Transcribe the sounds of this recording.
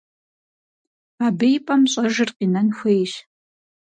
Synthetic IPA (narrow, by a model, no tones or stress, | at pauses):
abejpʼɐmɕʼɐʒɨrqinɐnxʷejɕ